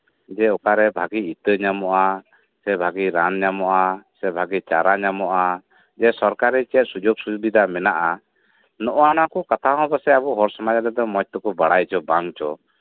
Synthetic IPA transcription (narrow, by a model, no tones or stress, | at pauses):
d͡ʒɛɔkaɾɛbʱaɡiit̪əɲamɔʔa | sɛbʱaɡiɾanɲamɔʔasɛbʱaɡit͡ʃaɾaɲamɔʔa | d͡ʒɛsɔɾkaɾːɛt͡ʃɛt̪̚sud͡ʒɔɡsuubid̪amɛnaʔa | nɔʔɔanakɔkat̪ʰaɔ̃basɛabuɦɔɾsɔmad͡ʒad̪ɛd̪ɔmɔc̚t̪ɔkɔbaɽajt͡ʃɔbaŋt͡ʃɔ